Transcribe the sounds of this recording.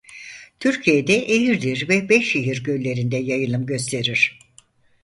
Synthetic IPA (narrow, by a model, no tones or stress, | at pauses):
t̪ʰyɾcʰijed̪ɛʔeɦiɾd̪iɾvɛbɛʃeɦiɾɟølʲe̞ɾind̪ɛjajɯlˠɯmɟø̞st̪ʰe̞ɾiɾ̥